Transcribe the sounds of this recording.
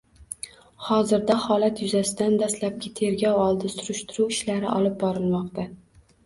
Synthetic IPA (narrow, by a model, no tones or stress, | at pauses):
hɒzɪɾd̪ahɒlˠat̪ʰjʊzasɪd̪and̪ast̪lap̚ɡʲɪt̪ʰe̞ɾɡʲɒwɒlˠd̪ɪsʊɾʊʃt̪ʊɾuwɪʃlaɾɪ̰ʔɒlˠɪp̚bɒɾɪlˠmɒqt̪a